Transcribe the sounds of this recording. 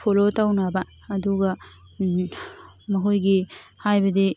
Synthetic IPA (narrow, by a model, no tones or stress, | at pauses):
pʰolotawnabɐː | d̪uɡɐ | mɐɦojɡihajbɐd̪i